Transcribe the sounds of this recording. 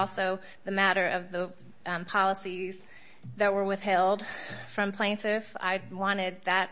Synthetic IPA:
lˠsoʊ | ðɨmæɾə˞ʔʌvðə | pʰɑlˠəsiz | ðɨt̚wə˞wɨð̥ɦɛlˠd̥fɹʌ̃mpʰl̥ẽɪ̃ntɪfa̰ɪwɑ̃ɾ̃ɪd̪̚ðɨt̚

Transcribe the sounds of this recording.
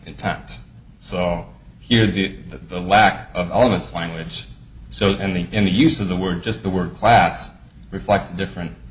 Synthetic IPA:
ʔɨ̃ntʰɛ̰̃n̚t | soʊhiɹðɨðɨðəlækʌvɛ̰lˠəmɨ̃ntslæ̃ŋɡwɨd̥ʒ̥ | soʊɨ̃nðɨɨ̃nðɨjʉzʌvðəwɜ˞d̚d͡ʒʌst̪̚ðəwɜ˞d̚kʰl̥æs | ɹɨflɛk̚tsɨdɪfɹɨ̃nt̚

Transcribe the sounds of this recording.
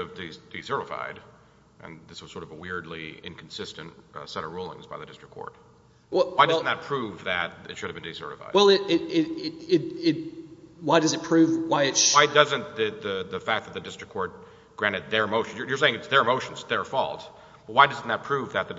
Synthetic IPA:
ʌvdid̥isɜ˞ɾəfa̰ɪɾ | ʔɨ̰̃nðɪswʌz̥sɔɹɾʌvwɪɹdˡliɪ̰̃nkʰn̩sɪstɨ̃nʔsɛɾʌvɹulˠɪ̰̃ŋzbaɪðɨdɪstɹ̥əkʰɔ̰ɹt̚ | aɪdʌzn̩ðət̚pʰɹ̥uvðɨɾɨ̰tʃʊɾɨvbɨ̃ndisɜ̰˞ɾɨ̰fa̰ɪdwɛlˠɪɾɪɾɪɾɪɪɾɪwaɪɾʌzɨt̚pʰɹ̥ʉvwaɪɨwaɪdʌzɨ̃nt̪ðɨðɨðɨfæk̚ðɨt̪̚ðɨdɪstɹ̥ɨkʰɔɹt̚ | ɡ̥ɹæ̃ñɨt̪̚ðə˞ɨmoʊʃn̩jə˞jə˞seɪɪ̃ŋɨtsðə˞ɨmoʊʃn̩zðə˞fɔ̰lˠt | b̥ʌt̚waɪdʌzn̩ðət̚pʰɹ̥uvðɨt̪̚ðɨ

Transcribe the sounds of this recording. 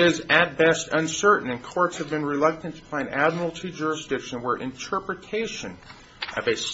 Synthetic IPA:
ɪzɨt̚b̥ɛstʌ̃nsɜ˞ʔn̩ɨ̃nkʰɔɹtshɨvbɨ̃nɹɨlʌk̚tɨ̃ntpʰãɪ̃næd̚ml̩ˠtʰʉd͡ʒʊɹɨsd̥ɪkʃɨ̃nwə˞ʔɨ̰̃ntʰɜ˞pɹɨtʰeɪʃɨ̃n | ʔʌvɨs

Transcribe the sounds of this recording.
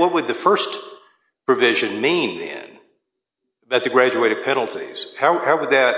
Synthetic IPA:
wʌt̚wɨd̪̚ðɨfɜ˞s | pʰɹ̥ɨvɪʒɨ̃nmĩnðɨ̰̃n | baʊt̪̚ðɨɡɹæd͡ʒueɪɾɨd̚pʰɛnl̩ˠtʰḭz̥haʊhaʊwəd̪̚ðɨt̚

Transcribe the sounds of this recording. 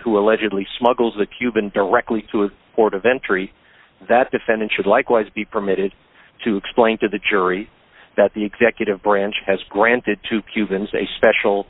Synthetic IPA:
huəlɛd͡ʒɨdˡlismʌɡl̩ˠzðɨkʰj̥ʉbɨ̃ndə˞ɛk̚tˡliɾəːpʰɔɹɾʌvɛ̃nt͡ʃɹ̥i | ðɨt̚d̥ɨfɛ̃ndɨ̃ntʃɨdˡlaɪkwaɪzbipʰə˞mɪɾɨd̚ | tʰɨːksplẽɪ̃ntɨðɨd͡ʒʊɹi | ðɨt̪̚ðiɨɡzɛkjɨɾɨvbɹæ̃nt͡ʃhɨzɡɹæ̃ntɨd̚tʰɨkʰj̥ʉbɨ̃nzɨ̰spɛʃl̩ˠ

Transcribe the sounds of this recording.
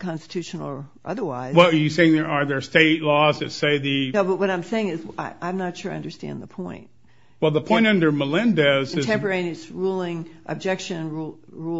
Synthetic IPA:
kʰɑ̃nstɨ̥tʰʉʃn̩l̩ˠə˞ʔʌ̰ðə˞waɪwɛlˠə˞jɨseɪɪ̃ŋðə˞ʔə˞ðə˞steɪtˡlɔzðɨtseɪðɨnoʊbʌt̚wʌɾãɪ̃mseɪɪ̃ŋɨzaɪʔãɪ̃mnətʃʊɹaɪʌ̃ndə˞stæ̰̃nðəpʰɔ̃ɪ̃nt̚ | wɛlˠðəpʰɔ̃ɪ̃ɪ̃nʌ̃ndə˞məlɪ̃ndəzɨtʰɛ̃mpə˞ẽɪ̃niɨsɹulˠɪ̃ŋʔɨ̰b̚d͡ʒɛkʃɨ̃nɹu | ɹu

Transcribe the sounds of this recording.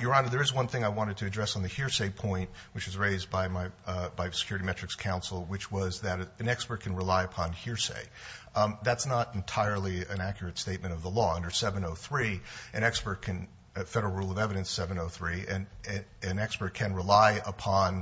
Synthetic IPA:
jə˞ɑ̃nəðə˞ɨzwʌ̃nθɪ̃ŋaɪwɑ̃ɾ̃ɨd̚tʰɨːdɹɛsn̩ðɨhɪɹseɪpʰɔ̃ɪ̃nʔwɨt͡ʃwʌzɹeɪzbaɪmaɪbaɪsɨ̥kʰjʊɹɨɾimɛt͡ʃɹ̥ɨkskʰãʊ̃nsl̩ˠwɨt͡ʃwʌzðɨɾɨ̃nɛkspə˞t̚kʰɨ̃n̩ɹəlaɪɨpʰɑ̃nhɪɹsḛɪ | ðætsnəɾɨ̃n̩tʰaɪə˞lˠiɨ̃nækjə˞ɨtsteɪt̚mɨ̃ɾ̃ʌvðəlɔʌ̃ndə˞sɛvɨ̃noʊθɹiʔɨ̃ɾ̃ɛkspə˞t̚kʰɨ̃n | fɛɾə˞l̩ˠɹulˠʌvɛvɨɾɨ̃nsɛvɨ̃noʊθɹiɨ̃nɨ̃nɛkspə˞t̚kʰɨ̃nɹɨlaɪəpʰɑ̃n

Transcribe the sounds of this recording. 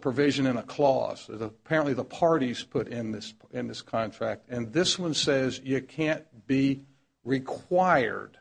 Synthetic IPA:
pʰɹ̥ɨvɪʒɨ̃nɨ̃nəkʰl̥ɔ̰z̥ɨ̰əpʰɛɹə̃nʔliðəpʰɑɹɾiz̥pʰʊɾɪ̃nðɪs | ɨ̃nðɪskʰɑ̃ntʰɹ̥æk̚tɨ̃nðɪswʌ̃nsɛzjɨkʰæ̃nb̥i | ɹɪkʰw̥aɪə̰˞d̥

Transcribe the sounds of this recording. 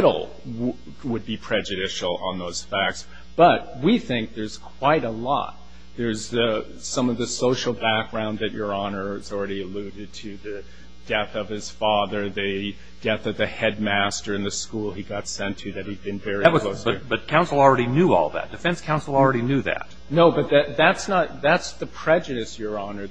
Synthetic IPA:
ɾl̩ˠ | wəd̚bipʰɹ̥ɛd͡ʒɨɾɪʃl̩ˠə̰̃nðoʊz̥fæk̚ts | b̥ʌt̚wiθɪ̃ŋk̚ðə˞z̥kʰw̥aɪɾəlɔ̰t̪̚ | ðə˞z̥ɨ | sʌ̃mʌvðɨsoʊʃl̩ˠbæk̚ɡ̥ɹãʊ̃nðɨt͡ʃə˞ɑnə˞zl̩ˠɹɛɾiɨlʉɾɨd̚tʰɨðɨ | d̥ɛθʌv̥ɨz̥fɑðə˞ðɨ | d̥ɛθʌvðɨhɛd̚mæstə˞ɨ̃nðɨskulˠiɡɑtsɛ̃ntʰɨðɨt̚hid̚bɨ̃nvɛɹik̚wʌl̥oʊsʌbʌt̚kʰãʊ̃nsl̩ˠl̩ˠɹɛɾinjʉɔ̰lˠðæ̰t̚d̥ɨfɛ̃nskʰãʊ̃nsl̩ˠl̩ˠɹɛɾinjʉðæ̰t̚ | noʊbʌt̪̚ðɨt̚ðætsnət̪̚ðætsðɨpʰɹ̥ɛd͡ʒɨɾɨsjə˞ɑnə˞

